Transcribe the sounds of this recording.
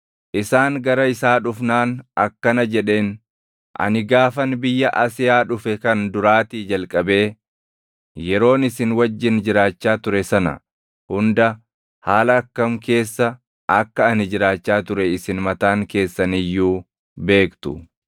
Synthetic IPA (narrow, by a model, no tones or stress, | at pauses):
ʔɪsaːŋɡɐɾɐɪsaːᶑʊfnaːnɐ̰kːɐnɐd͡ʒɛᶑe̞ːn | ʔɐ̰nɪɡaːfɐnbɪjːɐʔɐsɪjaːᶑʊfɛkɐnd̪ʊɾaːt̪iːd͡ʒɐlkʼɐbe̞ː | jɛɾo̞ːnɪsɪnwɐd͡ʒːɪnd͡ʒɪɾaːt͡ʃːaːt̪ʊɾɛsɐnɐ̰ | hʊnd̪ɐ | haːlɐːkːɐmke̞ːsːɐ | ʔɐkːɐːnɪd͡ʒɪɾaːt͡ʃːaːt̪ʊɾɛɪsɪnmɐt̪aːŋke̞ːsːɐnɪjːuː | be̞ːkt̪ʊ